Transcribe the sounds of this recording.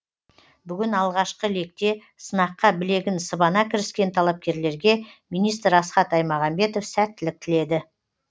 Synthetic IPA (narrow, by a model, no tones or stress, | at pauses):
bʏɡʲɪnɑlˠʁɑʃqəle̞k̚t̪e̞ | sənɑqːɑbɪle̞ɡʲɪnsəbɑnɑkʲʰɪɾɪskʲe̞nt̪ʰɑlˠɑp̚kʲe̞ɾle̞ɾɡʲe̞mijnijst̪ɾɑsqɑt̪ɑjmɑʁɑmbe̞t̪o̞fsæt̪ːɪlɪk̚t̪ʰɪle̞d̪ɪ